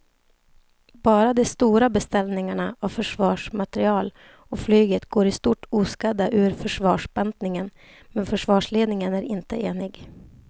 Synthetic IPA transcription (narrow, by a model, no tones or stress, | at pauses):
bɑːɾad̪ɛst̪uːɾabɛst̪ɛlnɪŋaɳaʔavfœʂvɑːʂmat̪ɛɾɪɑːl | ɔflyːɡət̪ɡoːɾɪst̪uːʈuːskad̪aʔʉ̟ːɾfœʂvɑːʂbɛnt̪nɪŋən | mɛnfœʂvɑːʂleːd̪nɪŋənæɾɪnt̪əeːnɪɡ